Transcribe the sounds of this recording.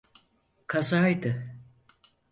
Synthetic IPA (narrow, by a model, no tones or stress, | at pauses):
kʰazajd̪ɯ